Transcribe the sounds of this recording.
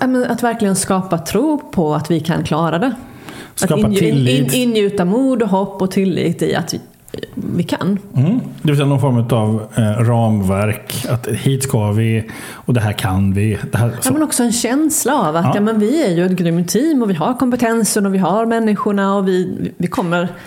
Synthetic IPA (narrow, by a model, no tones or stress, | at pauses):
jamɛnat̪væɾklɪɡənskɑːpat̪ʰɾuːpʰɔat̪vɪkʰa̰nkʰlɑːɾad̪ɛ | satkɑːaɪlːɪnːjʉ̟ːt̪amuːd̪ɔɦɔpːɔt̪ʰɪlːḭːt̪ɪ̰a̰t̪ | vɪkʰa̰nd̪ɛvɪlsɛjanɔnfɔɾmʉ̟ːt̪avɾɑːmvæɾkat̪hiːt̪skʰavɪ | ɔd̪ɛɦæːɾkʰanvɪd̪̥ɛɦæːmɛnɔksɔɛnɕɛnslaavat̪jɑːmɛnvɪæɾjɵɛt̪ɡɾʏmt̪ʰːiːmːɔvɪɦaɾkʰɔmpɛt̪ʰɛnsənɔvɪɦaɾmɛnːɪɧʊɳaɔvɪvɪkʰɔmːəɾ